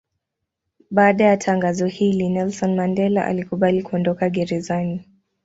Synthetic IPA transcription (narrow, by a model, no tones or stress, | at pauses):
ɓaːɗajatʰaŋɡazɔhilinɛlsɔnmandɛlaʔa̰likuɓalikuɔndɔkaɠɛɾɛzani